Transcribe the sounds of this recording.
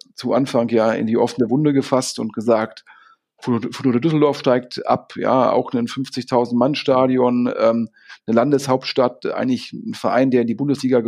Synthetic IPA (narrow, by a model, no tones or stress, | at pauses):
t͡suʔanfaŋkjaːɪ̰ndiːʔɔfnəvʊndəɡəfastʊ̰nt̚ɡ̥əzaːkt | ffɔnʊːədʏsl̩dɔɐfʃtaɪk̚tʔa̰pja̰ːa̰ʊxnənfʏnft͡sɪçtʰaʊzn̩tmanʃtaːdjɔnʔɛːm | nəlandəshaʊp̚tʃtatʔa̰ɪɡŋlɪçn̩fɛɐʔa̰ɪndeːɐɪndiːbʊndəsliːɡa